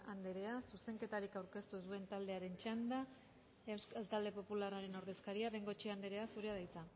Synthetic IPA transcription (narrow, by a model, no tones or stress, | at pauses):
and̪eɾe̞asuse̞ŋke̞t̪aɾikawɾke̞st̪usue̞nt̪ald̪e̞aɾe̞nt͡ʃand̪a | ewskalt̪ald̪e̞po̞pulaɾaɾe̞no̞ɾðe̞skaɾiaβe̞ŋɡo̞t͡ʃeand̪e̞ɾe̞asuɾeaðajt͡sa